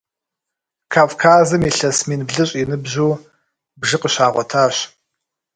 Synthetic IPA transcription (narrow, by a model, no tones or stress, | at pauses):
kʰaːvkʰaːzɨmiɬɐsmiːnbɮɨɕʼinɨbʑuː | bʒɨqəɕaːʁʷɔtʰaːɕ